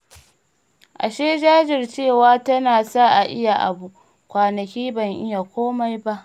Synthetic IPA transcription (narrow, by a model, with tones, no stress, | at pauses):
ʔa̰˨ʃeː˦d͡ʒaː˦d͡ʒɪ˨rt͡ʃeː˦˨waː˨˦tɐ˦naː˨sa˦˨ʔa˨ʔɪ˦ja˨ʔa̰˨bu˨ʔ | kʷaː˨nɐ˨kʲiː˦bɐ˨ŋʔɪ˦ja˨kʷoː˦ma˦jba˦ʔ